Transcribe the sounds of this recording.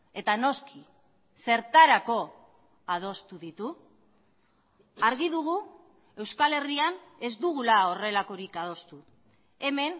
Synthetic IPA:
e̞t̪ano̞skʰi | se̞ɾt̪aɾako̞ | að̞o̞st̪uðit̪u | aɾɣiðuɣ̞u | e̞wskale̞riane̞zd̪uɣ̞ulao̞re̞lako̞ɾikað̞o̞st̪u | e̞me̞n

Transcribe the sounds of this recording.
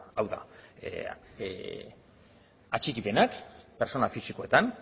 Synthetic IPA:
awða̰ | at͡ʃikipe̞nakpe̞ɾso̞nafisiko̞e̞t̪an

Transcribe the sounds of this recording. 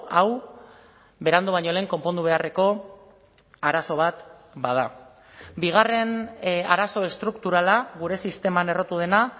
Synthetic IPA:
aw | be̞ɾand̪uβ̞aɲo̞le̞ːŋko̞mpo̞nd̪uβe̞are̞ko̞ | aɾaso̞βat̪ | baða | biɣare̞naɾaso̞e̞st̪ɾukt̪uɾalaɣuɾe̞sist̪e̞mane̞ro̞t̪uðe̞na

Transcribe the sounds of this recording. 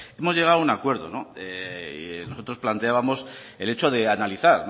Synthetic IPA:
e̞mo̞zʝe̞ɣ̞aounakwe̞ɾðo̞̰no̞e | no̞so̞t̪ɾo̞splant̪e̞aβamo̞s | e̞let͡ʃo̞ðe̞analiθaɾ

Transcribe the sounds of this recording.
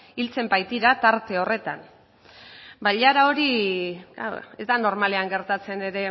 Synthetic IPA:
ilt͡se̞mbajt̪iɾat̪aɾt̪e̞o̞re̞t̪an | baʎaɾao̞ɾiɡa̰wezd̪ano̞ɾmale̞aŋɡe̞ɾt̪at͡se̞ne̞ɾe̞

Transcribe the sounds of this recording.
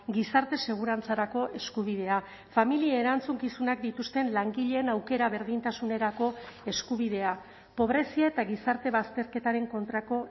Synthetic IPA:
ɡisaɾt̪e̞se̞ɣ̞uɾant͡saɾako̞ʔe̞skuβ̞ið̞e̞a | familiaeeɾant͡suŋkisunakd̪it̪ust̪e̞nlaŋɡiʎe̞ːnawke̞ɾaβe̞ɾðint̪asune̞ɾako̞e̞skuβ̞iðe̞a | po̞βɾe̞siaet̪aɣisaɾt̪e̞βast̪e̞ɾke̞t̪aɾe̞ŋko̞nt̪ɾako̞

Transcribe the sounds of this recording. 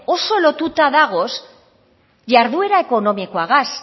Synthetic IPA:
osolot̪ut̪aðaɣ̞os | ʎaɾðueɾaeko̞nõmikoaɣas

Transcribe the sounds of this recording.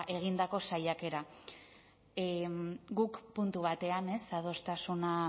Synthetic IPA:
ʔe̞ɣ̞ind̪ako̞sajake̞ɾa | ɡukpunt̪uβat̪e̞ane̞saðo̞st̪asuna

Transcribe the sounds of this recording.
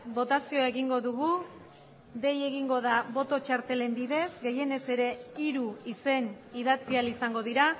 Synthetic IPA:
bo̞t̪asioaeɣiŋɡo̞ðuɣu | ðe̞je̞ɣiŋɡo̞ðaβo̞t̪o̞t͡ʃaɾt̪e̞le̞mbiðe̞zɡe̞je̞ne̞se̞ɾe̞iɾuise̞n | iðat͡sialisaŋɡo̞ðiɾa

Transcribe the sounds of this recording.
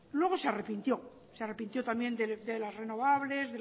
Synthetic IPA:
lwe̞ɣ̞osearepint̪jo̞ | seare̞pint̪jo̞t̪amje̞nd̪ed̪elazre̞no̞βaβle̞zðe

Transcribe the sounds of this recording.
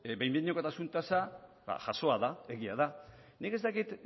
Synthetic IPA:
bejmbiɲoko̞t̪asunt̪asaba̰ʝaso̞aðae̞ɣiaðanike̞st̪akit̪

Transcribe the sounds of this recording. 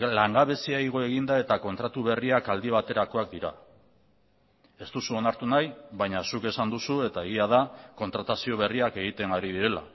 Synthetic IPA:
laŋɡaβe̞siaiɣ̞o̞e̞ɣ̞ind̪ae̞t̪ako̞nt̪ɾat̪uβ̞e̞riakald̪iβat̪e̞ɾako̞ak̚d̪iɾa | e̞st̪usuo̞naɾt̪unajβajɲasuke̞sand̪usue̞t̪ae̞ɣiaðako̞nt̪ɾat̪asio̞β̞e̞riake̞ɣ̞it̪e̞ŋɡaɾiðiɾe̞la̰

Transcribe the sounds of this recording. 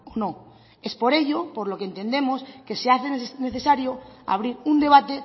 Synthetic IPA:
ono̞ | e̞spo̞ɾe̞ʎo̞po̞ɾlo̞kent̪end̪e̞mo̞ske̞seaθene̞θe̞saɾjo̞a̰β̞ɾiɾund̪e̞β̞at̪e̞

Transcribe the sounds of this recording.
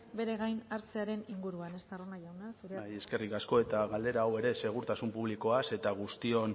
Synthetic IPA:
be̞ɾe̞ɣajnaɾt͡se̞aɾe̞niŋɡuɾuane̞st̪aronaʝawnasuɾejeske̞rikasko̞e̞t̪aɣald̪e̞ɾaːwe̞ɾe̞se̞ɣ̞uɾt̪asumpuβ̞liko̞ase̞t̪aɣ̞ust̪io̞n

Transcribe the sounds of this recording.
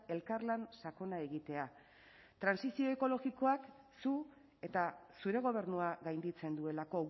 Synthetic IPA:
e̞lkarlansako̞nae̞ɣit̪e̞a | t̪ɾansisio̞e̞ko̞lo̞ɣiko̞ak | su | e̞t̪asuɾe̞ɣ̞o̞β̞e̞ɾnuaɣajnd̪it͡se̞nd̪ue̞lako̞

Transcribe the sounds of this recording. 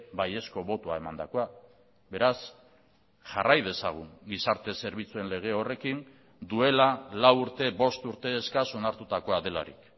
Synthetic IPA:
baje̞sko̞βo̞t̪uae̞mand̪ako̞a | be̞ɾas | ʝa̰rajð̞e̞sa̰ɣ̞uŋɡisaɾt̪e̞se̞ɾβit͡sue̞nle̞ɣ̞e̞o̞re̞kin | d̪ue̞lalawuɾt̪e̞βo̞st̪uɾt̪e̞ːskaso̞naɾt̪ut̪ako̞aðe̞la̰ɾḭk

